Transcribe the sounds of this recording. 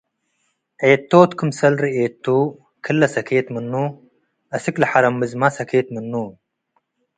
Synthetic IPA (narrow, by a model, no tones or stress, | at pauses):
ʕeːt̪ːoːt̪kʰɨmsɐlɾiʔeːt̪ʰːu | kʰɨlːɐsɐkʰeːt̪mɨnːu | ʔɐsɨklɐħaɾɐmːɨzmasɐkʰeːt̪mɨnːu